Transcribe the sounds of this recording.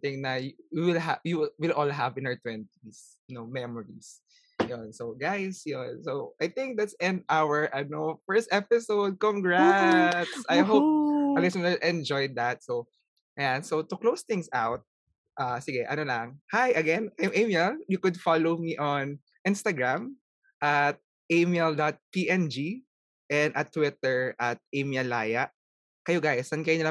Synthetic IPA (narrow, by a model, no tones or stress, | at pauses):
t̪ɪ̃ŋnɐjwiwɪlajuwɪlʔɔlɦavɪnaɹt̪wɛ̃nt̪is | jnomɛmɔɹḭs | jɔnsoɡajsjɔnsowʔajθɪ̃ŋk̚d̪at̪sɛ̃nd̪awɛɹʔɐnofɛ˞st̪ʔɛpɪsowd̪̚kɔ̃ŋɡɹat̪sʔajɦopɐɡɛsɛnaʔɛ̃nd͡ʒɔjd̪ɐt̪̚so | jansot̪ʊklowst̪ɪŋsawt̪̚ | ʔaːsɪɡɛʔɐnolɐŋhajʔɐɡɛnajmʔejmjɛljʊkʊd̪falowmiʔɔn | ʔɪnst̪ɐɡɹam | ʔat̪̚ | ʔejmɛld̪at̪̚piʔɛnd͡ʒi | ʔɛnd̪ʔɐt̪ːwɪt̪ɛɹʔɐt̪̚ʔejmjɐla̰ːjɐʔ | kɐjoɡajsɐnkɐjonɪla